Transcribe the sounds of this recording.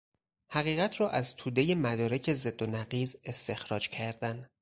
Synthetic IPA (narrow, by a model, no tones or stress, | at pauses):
hæɣiːɣæt̪ʰɾɒːʔæzt̪ʰuːd̪e̞jemæd̪ɒːɾe̞cʰe̞ze̞d̪ːonæɢiːze̞st̪e̞xɾɒːd͡ʒcʰæɾd̪æn